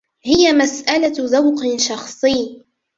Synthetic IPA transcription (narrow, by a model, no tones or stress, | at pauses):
hɪjamasʔalaðawqʃɑxsˤɨjː